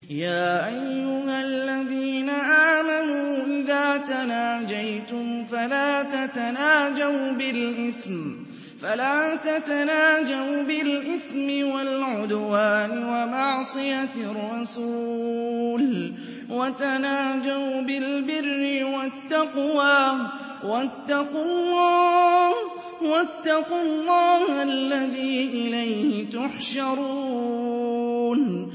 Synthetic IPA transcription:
jaːʔajːʊhalːaðiːnaʔaːmanuːʔɪðaːt̪anaːd͡ʒajt̪ʊmfalaːt̪at̪anaːd͡ʒawbɪlʔɪθm | falaːt̪at̪anaːd͡ʒawbɪlʔɪθmɪwalʕʊd̪waːnɪwamɑʕsˤɨjarˤːɑsuːl | wat̪anaːd͡ʒawbɪlbɪrːɪwat̪ːɑqwaː | wat̪ːɑqɑllːɑːh | wat̪ːɑqʊlːɑːhʔalːaðiːʔɪlajhɪt̪ʊħʃɑɾˤuː | n

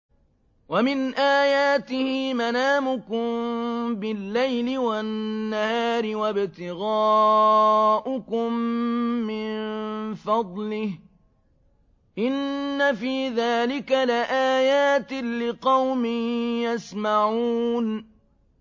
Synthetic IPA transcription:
wamɪnʔaːjaːt̪ɪhɪmanaːmʊkʊmbɪlːajlɪwannːahaːɾɪwabt̪ɪɣaː | ʔʊkʊmː | ɪnfɑd̪ˤlɪh | ʔɪnːafiːðaːlɪkalaʔaːjaːt̪ɪlɪqɑwmɪjasmaʕuːn

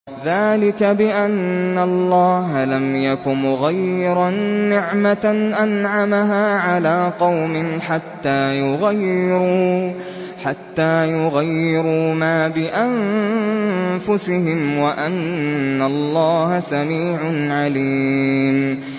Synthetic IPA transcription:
ðaːlɪkabɪʔanːalˤːɑːɦalamjakʊmɣajːɪɾanːɪʕmanʔanʕamaɦaːʕalaːqɑwmɪnħat̪ːaːjʊɣajːɪɾuː | ħat̪ːaːjʊɣajːɪɾuːmaːbɪʔam | fʊsɪhɪmwaʔanːalˤːɑːhasamiːʕʊnʕaliːm

